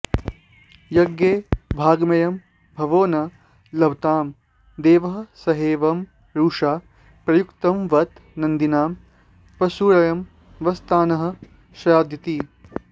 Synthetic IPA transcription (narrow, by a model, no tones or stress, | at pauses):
jɐɡjeːbʱaːɡmɐjɐm | bʱɐʋoːnɐ | lɐʋt̪aːm | d̪eːʋɐɦɐ̆sɐɦeːʋɐm | ɾuːʂaː | pɾɐjukt̪ɐmʋɐt̪nɐnd̪inaːm | pɐsuːɾɐjɐm | ʋɐst̪ʰaːnɐɦɐ̆ | ʃɐjaːd̪jɐt̪iː